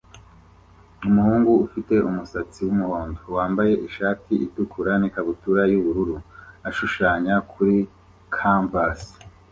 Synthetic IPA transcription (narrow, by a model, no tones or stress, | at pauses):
umuhuːŋɡuːfite̞ʔumusat͡siwumuhoːndowaːmbaje̞ʔiʃaːtiitukʰuɾanikaβutuɾajuβuɾuɾuaʃuʃaːɲakʰuɾi | kʰampas